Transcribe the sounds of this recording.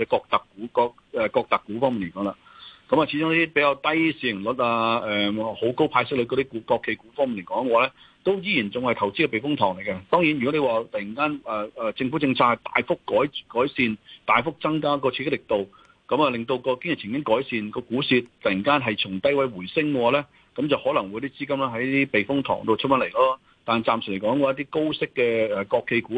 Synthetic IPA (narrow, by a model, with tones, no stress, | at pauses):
ɛ˨˧kɔː˧k̚t̪ɐ˨kːuː˨˥kɔː˧k̚ | ɛ˨kɔː˧k̚t̪ɐ˨kːuː˨˥fɔ˥ŋmi˨nle˨˩kɔː˨˥ŋlaː˧ | kɐ˧mɐː˨˩t͡ɕʰiː˨˧˥ʊ˥ŋniː˥t̪i˥pe˨˥jkaː˧wt̪ɐ˥jsiː˧jɪ˨˩ŋlʊ˨˥t̚laː˧ɛː˨ho˨˥wko˥wpʰaː˧jsɪ˥k̚lɵ˨˧koː˧d̪i˥kuː˨˥kɔː˧kʰːe˨˧˩kuː˨˥fɔː˥ŋmi˨nle˨˩kɔː˨˥ŋkɛ˧waː˨˧lɛ˥ | t̪o˥wjiː˧˥jiː˨˩nt͡sʊ˨ŋhɐ˨jt̪ʰɐ˨˩wt͡siː˥kɛ˧pe˨jfʊ˥ŋt̪ʰɔː˨˩ŋle˨˩jkɛ˧t̪ɔː˥ŋjiː˨˥njy˨kɔ˨˥ne˨˧waː˨t̪ɐ˨˩ji˨˩ŋkaː˥nɛː˨˩ɛː˨t͡sɪ˧ŋfu˨˥t͡sɪ˧ŋt͡sʰaː˧˥hɐ˨jt̪a̰ː˨jfʊ˥kːɔː˨˥jkɔː˨˥jsiː˨˧nt̪aː˨jfʊ˥k̚t͡sɐ˥ŋkaː˥k̬ɔː˧y˧˥sɪ˥lɪ˨˩k̚t̪o˨w | kɐ˨˥mɐː˨˧lɪ˨ŋt̪o˧wkɔː˧kɪ˥ŋjɪ˨˩t͡sʰɪ˨˩ŋkɪ˥ŋkɔː˨˥jsiː˧nkɔː˧kuː˨˥siː˧t̪ɐ˨ji˨˩ŋkaː˥nɦɐ˨jt͡sʰʊ˨˩ŋt̪ɐ˥jwɐ˨˥jwuː˨˩jsɪ˥ŋkɛ˧waː˨˧lɛː˥ | kɐ˨˥mt͡sɐ˨whɔː˨˥lɐ˨˩ŋwjt̪i˥t͡siː˥kɐ˥mlɛː˥ɦɐ˨˥jt̪iː˥pe˨jfʊ˥ŋt̪ʰɔ̰ː˨˩ŋt̪o˨t͡ʃʰɵ˥mɐ˨˥nle˨˩jlaː˥ | t̪aː˨n˨˩t͡saː˨msy˨˩le˨˩kɔː˨˥ŋkwːjɐ˥t̪̬iː˥ko˥wsɪ˥kːɛː˧ɛ˨kɔː˧kʰːe˧jkuː˨˥